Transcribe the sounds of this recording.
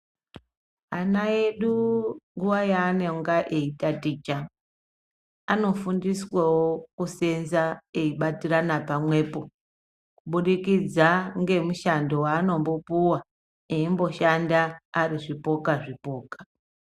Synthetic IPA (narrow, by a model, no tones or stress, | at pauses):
anaeɗuŋɡuʋajaːneŋɡaʔeitatiːt͡ʃa | ano̞fundiswawo̞kuse̞nzae̞iɓatiranapamwe̞ːpo̞ | kuɓuɗikid͡zaŋɡe̞muʃando̞waːno̞mbo̞puwa | eimbo̞ʃandaːriʐipo̞kaʐipo̞ːkḁ